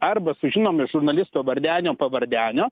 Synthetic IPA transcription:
ɐrbɐsʊʒʲɪnoːmʲɪʒʊrnɐlʲɪst̪oːʋɐɾʲd̪ʲæːnʲoːpɐʋɐɾʲd̪ʲæːnʲoː

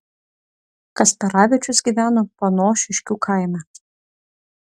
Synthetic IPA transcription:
kɐst̪ʲɐɾɑːʋʲɪt͡ʃʲʊsɡʲiːˑʋʲæːnoːpoːnoːʃʲɪʃʲkʲuːkʰɑˑɪmʲæ

